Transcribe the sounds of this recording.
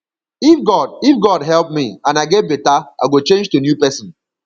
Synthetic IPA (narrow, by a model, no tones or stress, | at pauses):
ifɡɔdifɡɔdɦɛlˠpmiãnaɪɡɛt̚betaʔa̰ɡot͡ʃẽnd͡ʒtunjupɛsɪ̃n